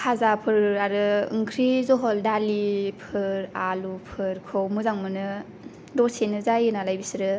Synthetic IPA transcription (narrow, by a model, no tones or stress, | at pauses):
hʰazapʰɯɾɾaɾɯɯ̰ŋkʰɾizɔɦɔldalipʰɯɾalupʰɯɾkʰowmuzaŋmɯnɯ | dɔsenɯzajɯnalajbisɾɯ